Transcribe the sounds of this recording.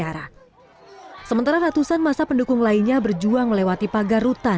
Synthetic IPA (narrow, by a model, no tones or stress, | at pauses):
aɾa | səmənt̪aɾaɾat̪usanmasapəndukʊŋlainɲabərd͡ʒuaŋməlewat̪ipaɡarut̪a